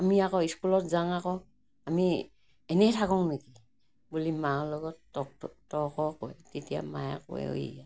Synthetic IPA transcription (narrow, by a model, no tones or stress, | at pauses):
amiakɔiskulɔt̚zaŋakɔ | ami | ɛnɛtʰakɔŋneki | bulimaɔlɔɡɔtɔtɔkɔkɔɛtitia̰ma̰ja̰kɔ̰ɛ̰o̰ḭja